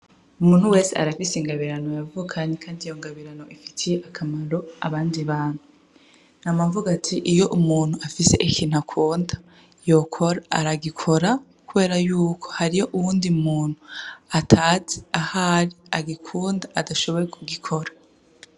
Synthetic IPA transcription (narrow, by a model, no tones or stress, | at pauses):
umuːn̥huwe̞ːsea̰ɾafisiŋɡaβiɾano̞javukʰaɲekʰaːndijo̞ŋɡaβiɾano̞ʔifi̥tʰijeʔakʰamaɾo̞a̰βaːndiβaːn̥hu | namavuɡatʰiʔijo̞ʔumuːn̥huafise̞̰ʔikʰin̥hakʰuːndḁ | jo̞kʰo̞ɾa̰ːɾaɡikʰo̞ɾa | kuβe̞ːɾajuːkʰo̥haɾijo̞ʔuwuːndiumuːn̥huatʰaːze̥ahaɾiaɡikʰuːndaːdaʃo̞βo̞ɾekʰuɡikʰo̞ɾḁ